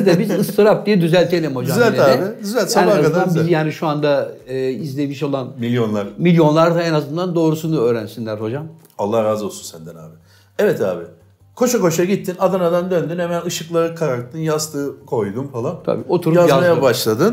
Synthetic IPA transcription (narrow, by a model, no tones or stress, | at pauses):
id̪ɛbizɯst̪ʰɯɾap̚d̪ijɛd̪yzælʲt̪ʰelʲɛmho̞d͡ʒazɛlʲt̪eaɛɪyzælʲt̪saaaaanbzjaːniʃuand̪aɯːizlʲe̞miʃo̞lˠanmilʲjo̞nlˠaɾmilʲjo̞nlˠaɾd̪aenazɯnd̪and̪o̞ːɾusunuøːɾænsinlʲæɾho̞d͡ʒam | alˠːahɾaːzo̞lˠsunsænd̪ɛna̰ːbɪ | ɛvɛt̪ʰaːbɪ | kʰo̞ʃako̞ʃaɟit̪ʰːinad̪ɯnad̪and̪ønd̪ynhɛmænɯʃɯklˠaɾɯkʰaɾak̚t̪ʰːɯnjast̪ʰɯːkʰo̞jd̪umfalˠant̪ʰa̰bḭːo̞t̪ʰuɾuaamajabaʃlˠad̪ɯn